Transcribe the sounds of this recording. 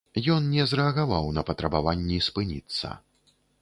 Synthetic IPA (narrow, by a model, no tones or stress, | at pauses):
jɔnnʲɛzɾɛɐɣavawnɐpɐt̪ɾɐbavanʲːispɨnʲḭt̪sːɐ̰